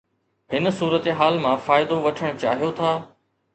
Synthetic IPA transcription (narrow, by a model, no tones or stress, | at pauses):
ɦɪnsuːɾət̪eɦaːlmãfaːɪd̪oʋɐʈʰəɽ̃ʊt͡ɕaːɦijot̪ʰaː